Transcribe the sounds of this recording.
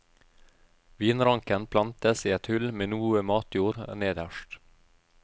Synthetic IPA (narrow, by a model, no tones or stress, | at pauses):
ʋiːnɾɑŋkənpʰlɑnt̪əsiːɛt̪hʉlmeːnuːəmɑːt̪ʰjuːɾneːd̪əʃʈ